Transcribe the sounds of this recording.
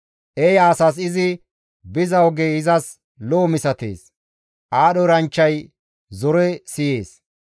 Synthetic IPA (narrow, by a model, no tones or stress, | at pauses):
ʔɛjaːsɐs̬ɪzɪ | bɪzɐwɡeɪzɐs | loːmɪsɐt̪ḛːs | ʔaːɗɔɾɐnt͡ʃːɐj | zɔɾɛsɪjeːs